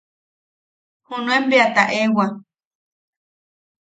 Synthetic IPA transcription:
hũnũembeat̪aʔewa

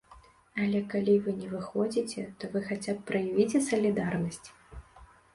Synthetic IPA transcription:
ɐlʲɛkalʲivɨnʲɛvɨxɔd͡zʲit͡sʲɛt̪ɔvɨxat͡sʲapːɾɐjavʲit͡sʲɛsɐlʲid̪arnɐsʲt͡sʲ

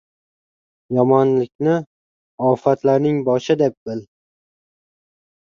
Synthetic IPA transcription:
jɒmɒnlɪkʲnɪ | ɒfat̪laɾnɪŋbɒʃɪd̪ep̚bɪl

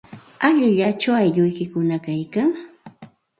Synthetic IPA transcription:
aʎɪʎat͡ʃawajʎʊjkɪkʊnakajkaŋ

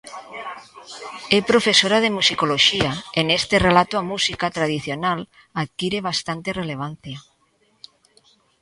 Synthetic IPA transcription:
epɾofesoɾað̞emusikoloʃiaenest̪erelat̪oamusikat̪ɾað̞iθjonal | aðkiɾeβ̞ast̪ant̪ereleβ̞anθja

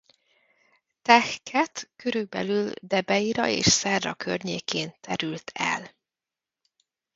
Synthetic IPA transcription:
t̪ɛxkʰɛt̪køɾylbɛ̰lyld̪ɛbɛiɾɒ̰ḛːʃsɛrːɒkʰø̰rɲeːkeːnt̪ɛɾylt̪ʰɛ̰l

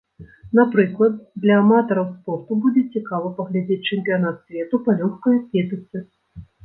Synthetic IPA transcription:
napɾɨklˠɐd̪̚d̪lʲɐmat̪ɐɾɐwspɔrt̪ubud͡zʲɛt͡sʲikavɐpɐɣlʲad͡zʲet͡sʲt͡ʂɨmʲpʲijanat̪sʲvʲɛt̪upɐlʲɔxkɐjɐkʲɛt̪ɨt̪sɨ

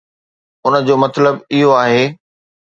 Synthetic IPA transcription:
ʊnə̆d͡ʑoːmɐt̪ləbɪɦoaːɦeː

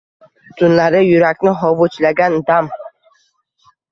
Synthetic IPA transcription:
t̪ʰunlˠaɾɪjyɾækʲnɪɦovut͡ʃlaɡʲand̪am

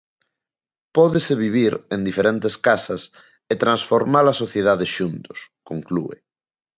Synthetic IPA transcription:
pɔðeseβiβiɾẽnd̪ifeɾent̪eskasɐs | et̪ɾansfoɾmalɐsoθjeðaðeʃunt̪ʊ̥skoŋklṵḛ

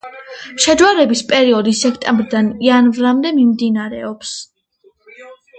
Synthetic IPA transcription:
ʃɛd͡ʒwaɾɛbispʼɛɾiɔd̪isːɛkʰt̪ʼɛmbɾd̪anianvɾamd̪ɛmimd̪inaɾɛɔps

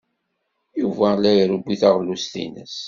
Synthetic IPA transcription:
juvælæjɾubːiθaʁlust̪ḭnə̰s

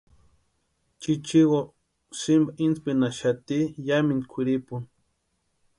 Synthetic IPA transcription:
t͡ʃit͡ʃiwo | simbaʔinspinaʃat̪ijaminkʰʷiɾipun

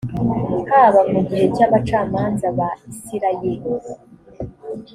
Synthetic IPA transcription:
kaβamuɡiɾecaβat͡ʃaːmaːnzaβaisiɾajeɾi

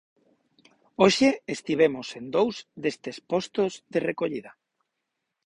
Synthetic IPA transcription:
oʃeest̪iβ̞emosend̪owzðest̪espost̪ozðerekoʎiða

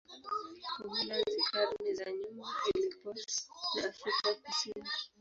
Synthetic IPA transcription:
kuɦulazikʰaɾmizaɲumazilipɔsnaafɾikajakusini

